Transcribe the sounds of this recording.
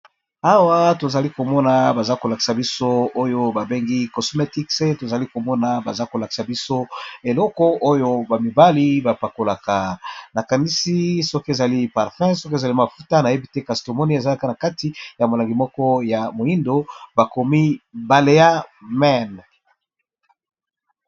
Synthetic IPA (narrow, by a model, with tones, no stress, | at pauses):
a˨wa˦to˨za˨li˦ko˨mɔ˦na˨ba˨za˦ko˨la˨ki̥˨sa˨bi˦so˦o˦jo˦ba˨be˦ŋɡi˦ko˨sme˦ti˦kse˦to˨za˨li˦ko˨mɔ˦na˨ba˨za˦ko˨la˨ki̥˨sa˨bi˦so˦e˨lɔ˦kɔ˦ʔo˦jo˦ba˨mi˨ba˦li˦ba˨pa˨ko˨la˨ka˨na˨ka˨ni˦si˦sɔ˦ke˨za˨li˦pa˨ʁfɛ̃˦sɔ˦k̬e˨za˨li˦ma˨fu˦ta˦na˨je˦bi˦te˦ka˨sto˨mɔ˦ni˦e˨za˦a˦˨ka˦na˨ka˦ti˦ja˨mo˨la˨ŋɡi˨mɔ˦kɔ˦ja˨mo˨i˦ndo˨ba˨ko˨mi˦ba˨le˨a˦mɛ˦˨n